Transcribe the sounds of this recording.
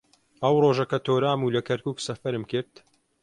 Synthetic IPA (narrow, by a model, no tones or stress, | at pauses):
ɐwroːʒɐkɐt̪ʰoːɾaːmuːlɐkʰɐɾkuːksɐfɐɾɨmkɨɾt̪